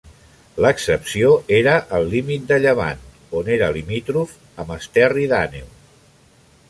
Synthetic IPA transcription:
ləksəpsioeɾəʔəlˠlimit̪̚d̪əʎəβa̰n | oneɾəlimit̪ɾuf | əməst̪ɛriðanew

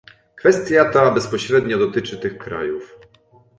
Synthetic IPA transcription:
kfɛst̪ʲjat̪abɛspɔɕɾɛd̪ɲɔd̪ɔt̪ɘt͡ʂɘt̪ɘxkɾa̰juf

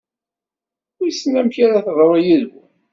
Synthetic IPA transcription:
ʊjsnæmçaɾaθðˤɾˤjiðɡʷu

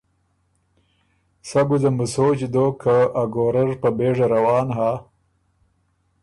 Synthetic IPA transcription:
saɡud̪əmusot͡ʃd̪oːkʰaaɡoːɾaɾpabeʐaɾawɑːnɦaː

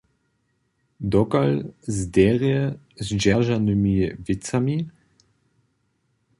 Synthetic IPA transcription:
d̪ɔkalzd̪ɛʁjə | zd͡ʒaʒanəmivɪt͡sami

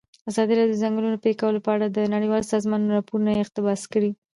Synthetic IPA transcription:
azɑd̪iɾɑjod̪əzaŋɡəlunopekawəlopəaɽad̪ənaɽəjwɑlsɑzmɑnɾɑpoɾunajeɪqt̪ɪbɑskəɽi

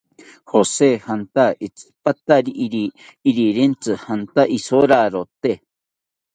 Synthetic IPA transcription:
hosehant̪ait͡sɨ̥pat̪aɾiʔɾiːɾiɾent͡sɨhant̪aʔisoɾaɾot̪e

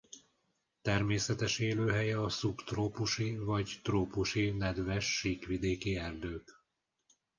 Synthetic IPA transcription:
t̪ɛrmeːsɛt̪ɛʃeːløːɦɛjɛɒsukt̪roːpuʃivɒɟt̪roːpuʃinɛd̪vɛʃːiːkʋid̪eːkiɛrd̪øːk

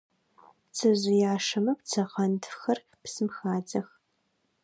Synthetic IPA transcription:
t͡sʰɨʑɪjaːʂɐmɐpt͡sʰɐqɐntxɐr | psɨmxaːd͡zɐx

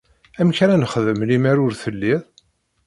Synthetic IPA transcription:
æmçɾænəχəðəmlimæɾʊɾθəlːiðˤ

